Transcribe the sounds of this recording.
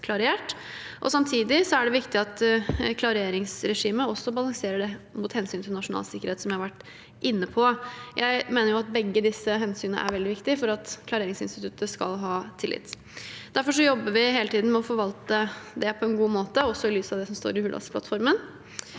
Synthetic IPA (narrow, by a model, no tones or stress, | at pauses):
kʰlɑɾɪeːʈ | ʔɔ̰sɑmt̪ʰiːd̪ɪsɔæɖɛʋɪkt̪ɪɑt̪kʰlɑɾeːɾɪŋsɾɛʂiːməɔsːɔbɑlɑŋseːɾəɖɛmuːt̪hɛnsyːnt̪ɪlnɑʂʊnɑ̰ːlsɪkːəɾheːt̪sɔmjæɪhɑʋæʈː | ʔɪnːəpʰɔjʔæɪmeːnəjʊɑt̪̚bɛɡːəd̪ɪsəɦɛnsyːnə̰ʔæ̰ɾʋɛld̪ɪʋɪkt̪ɪfɔɾɑt̪kʰlɑɾeːɾɪŋsɪnst̪ɪt̪ʉt̪əskɑ̰lɦɑːt̪ʰɪlʔɪ̰t̪ː | d̪̥æɾfɔʂ̬ɔjɔbːəʋɪɦeːlət̪iːd̪n̩mɛɔfɔɾʋɑlt̪əd̪ɛpʰɔɛnɡuːmoːt̪əɔsːɔɪlyːsɑʋd̪ɛsɔmst̪o̰ːɾɪhʉlɑ̰spʰlɑ̰t̪fɔɾmən